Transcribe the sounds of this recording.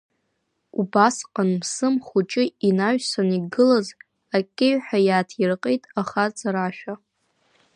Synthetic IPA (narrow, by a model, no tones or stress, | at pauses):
ubasqʼanmsɨmχut͡ʃʼɪinaɥsaniɡɨlaz | akʲʼːeɥħᶣajaːtʰirqʼejtʼaχat͡sʼaɾaʃᶣa